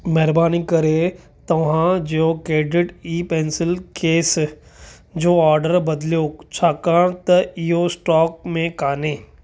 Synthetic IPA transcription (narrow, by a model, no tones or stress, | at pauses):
mɛɦɾbaːnikɐɾe | t̪ɐʋɦãd͡ʒokeːɖɪʈiːpẽːnsɪlkeːs | d͡ʒoːɔːɾɖəɾbɐd̪ljot͡ʃʰakaɾt̪iosʈɔːk̚mẽkaːnẽː